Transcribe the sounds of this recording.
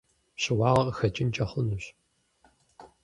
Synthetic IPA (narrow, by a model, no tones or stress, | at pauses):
ɕɪwɑːʁɐqxɐt͡ʃʼɪnt͡ʃʼɐχʊnuɕ